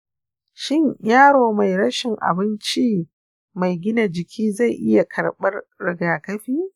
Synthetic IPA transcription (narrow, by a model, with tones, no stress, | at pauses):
ʃɪ˦ɲjaː˦ɽoː˨ma˨jɽɐ˦ʃɪ˨ŋʔa̰˨bɪ˦nt͡ʃi˦ | ma˨jɡʲɪ˦na˨d͡ʒɪ˨kʲʰiː˦za˦˨jʔɪ˦ja˨kʰɐ˨ɽɓɐ˦rɾɪ˨ɡaː˨kɐ˦ɸiː˦